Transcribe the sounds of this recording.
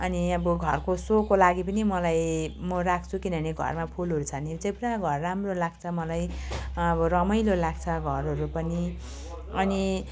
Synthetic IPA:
ʌniʌbʌɡʱʌrkosokolaɡipʌnimʌlajmʌɾakʰt͡sʰukinʌneɡʱʌ̰rmapʰulɦuɾut͡sʰʌnid͡zʌjpʌnaɡʱʌrːamrolaɡt͡sʰʌmʌlajʌbʌɾʌmʌjlolaɡ̚t͡sʰʌɡʱʌrɦʌɾupʌni | ʌni

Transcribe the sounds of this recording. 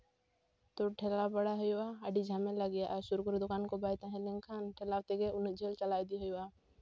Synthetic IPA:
t̪oʈʰɛlapaɽaɦɔjwaːɖid͡ʒʱamɛlaɡijaʔaɾsuɾkɔɾed̪okankɔbajt̪ãɦɛ̃liŋkʰanʈʰɛlawt̪ɛɡɛund͡ʒʱelt͡ʃalajd̪iɦɔja

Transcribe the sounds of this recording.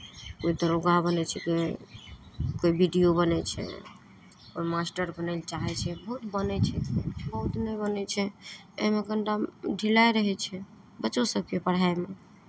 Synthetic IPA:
koid̪əɾoɡabənɛt͡ʃʰɛke | koibiɖijobənɛt͡ʃʰɛ̰ | koimasʈəɾbənɛnt͡ʃaɦɛt͡ʃʰɛbəɦut̪bənɛt͡ʃʰɛk̪ebəɦut̪nəbənɛt͡ʃʰɛ | ḛɦmeɡəɳʈaɖʱilajɾəɦɛt͡ʃʰɛ | bət͡ʃosəb̚kepəɽ̤aeme

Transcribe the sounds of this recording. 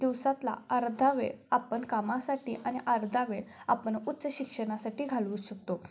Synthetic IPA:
d̪̥iwsat̪la̰əɾd̪ʱaʋḛapəɳkamasaʈiːʔañiʔəɾd̪ʱaʋeapəɳut̪ːt͡səɕikʂəñasaʈiːɡʱaluːɕək̚t̪o

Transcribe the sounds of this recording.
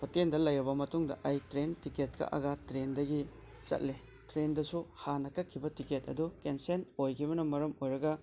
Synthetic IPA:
pʰotendɐlɐjɾɐbɐmɐtuŋdɐ̰ʔajtɾentiket̚ka̰ʔɐ̰ɡatɾendɐɡi | t͡ʃɐ̰t̚le | tɾendɐsuhanɐkɐkʰːibɐtiketɐ̰dukensenojkʰibɐnɐmɐɾɐmojɾɐɡɐ

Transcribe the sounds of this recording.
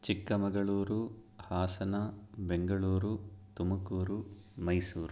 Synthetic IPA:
t͡ʃikːɐmɐɡɐɭuːɾuhaːsɐnɐbeŋɡɐɭuːɾut̪umɐkuːɾu | mɐjsuːɾu

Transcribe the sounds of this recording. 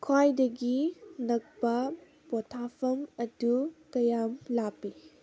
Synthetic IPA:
kʰwajdɐɡinɐk̚bɐ | pɔtʰapʰɐmɐdukɐjamlapi

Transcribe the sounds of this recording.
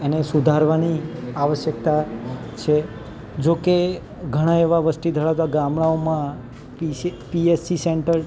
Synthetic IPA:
enesud̪ʱaɾʋaniaʋəʃjək̚t̪at͡ʃʰe | d͡ʒoke | ɡʱəɽ̃ãeʋaʋəsʈid̪ʱəɭaʋt̪aɡamɽaomã | pipiesiseɳʈəɾ

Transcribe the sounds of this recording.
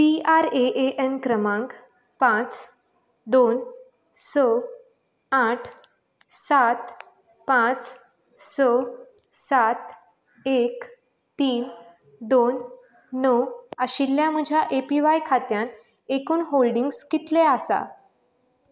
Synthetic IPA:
piaɾeʔeʔenkɾəmãŋk | pãt͡s | d̪on | sə | aʈʰ | sat̪ | pãt͡s | səsat̪ | ek | t̪iːn | d̪onː | əwəɕilːjãm̤əd͡ʑʱjaʔepiʋajkʰat̪jãnt̪ | ekuːnɦolɖiŋɡskit̪leasa̰

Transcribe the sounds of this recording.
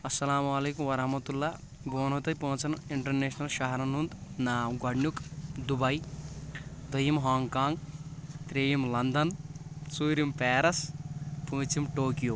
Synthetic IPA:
ɐsːɐlaːmualeːkumʋɐɾɐɦmɐt̪ulːaː | ɡoːnɦot̪ɐjpõːt͡sɐnuiɳʈɐrneːsnɐlʃaɦɐɾɐnund̪naːmɡɐɽnjukd̪ubɐj | d̪ɐjimɦaːŋkaːŋɡt̪ɾeːjimlɐnd̪ɐnsuːɾimpɛːɾɐspuːt͡simʈoːkjo

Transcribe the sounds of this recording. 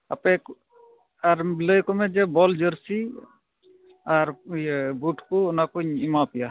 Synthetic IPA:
ɐpek | aɾləjkɔmɛd͡ʒɛbɔld͡ʒəɾsi | aɾbuʈkonakuɲimapija

